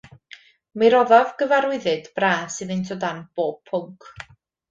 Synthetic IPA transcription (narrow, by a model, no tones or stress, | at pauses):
miɾɔðavɡəvaɾwɪðɨdb̥raːsɨðentʰodanb̥oːb̚pʰːʊŋkʰ